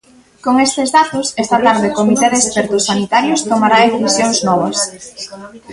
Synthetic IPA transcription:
koŋest̪ezðat̪osest̪ɐt̪aɾðekomit̪eðeːspɛɾt̪ʊsanit̪aɾjʊst̪omaɾaðeθisjoŋznɔβ̞ɐs

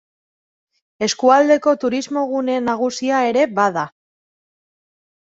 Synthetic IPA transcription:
e̞skuald̪e̞ko̞t̪uɾizmo̞ɣune̞naɣ̞usiae̞ɾe̞βaða

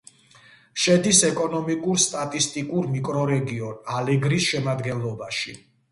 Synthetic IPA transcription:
ʃɛd̪isɛkʼɔnɔmikʼuɾst̪ʼat̪ʼist̪ʼikʼuɾmikʼɾɔɾɛɡiɔnalɛɡɾisʃɛmad̪ɡɛnlˠɔbaʃi

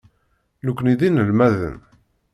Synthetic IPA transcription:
nukʷːniðinəlmæðə̰n

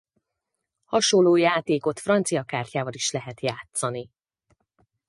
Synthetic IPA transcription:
hɒʃolːoːjaːt̪eːko̞t̪frɒnt̪sijɒkaːrcʲaːvɒliʃlɛɦɛt̪jaːt̪sɒni

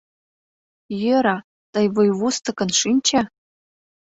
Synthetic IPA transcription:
jəɾɑ | t̪ɤjβujβust̪ɤ̆kɤ̆nʂinʲt͡ɕa

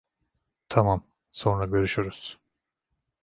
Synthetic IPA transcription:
t̪ʰamam | so̞nɾaɟø̞ɾyʃyɾyz̥

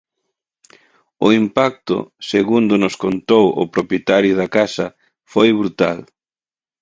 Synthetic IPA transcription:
ʊimpak̚t̪ʊ̰seɣund̪ʊnʊskont̪owʊ̰pɾopjet̪aɾjʊðakasɐ | fojβɾut̪a̰l

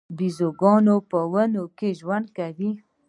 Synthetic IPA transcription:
bizoɡɑnopəwənokeʒwand̪̚kawi

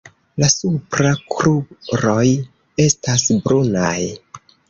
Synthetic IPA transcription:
lasupɾakɾubɾo̞j | e̞stasbɾunaj

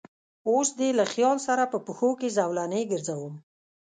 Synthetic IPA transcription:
osd̪elaxjɑlsaɾapəpəxokezawlaneɡəɾzawum

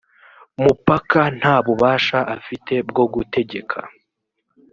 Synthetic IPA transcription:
mupakan̥haːβuβaːʃaʔafite̞b̚ɡo̞ɡute̞ɟe̞kʰa̰

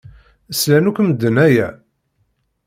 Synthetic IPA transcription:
əslænukʷməd̪ːənæjæ

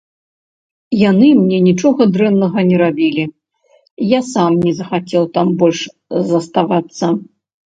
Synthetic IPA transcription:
janɨmnʲɛnʲit͡ʂɔɣɐd̪ɾɛnːɐɣɐnʲɛɾabʲilʲi | jasamnʲɛzɐxat͡sʲɛwt̪ambɔlʲʂ | zɐst̪avat̪sːɐ

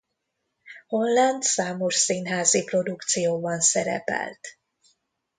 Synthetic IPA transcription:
ho̞nland̪saːmo̞ʃsiːnɦaːzipro̞d̪ukt̪sijoːbɒnsɛɾɛ̰pɛ̰lt̪

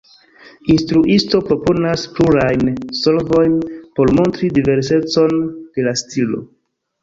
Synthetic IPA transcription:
instɾuʔisto̞pɾo̞po̞naspluɾajnso̞lvo̞jnpo̞ɾmo̞ntɾidive̞ɾs̬e̞t͡so̞nd̥e̞lastilo̞̰

